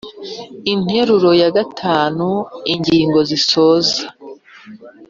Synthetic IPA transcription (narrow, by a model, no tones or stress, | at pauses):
in̥he̞ɾuɾo̞jaɡatʰaːnuiɲɟiːŋɡo̞ziso̞ːzḁ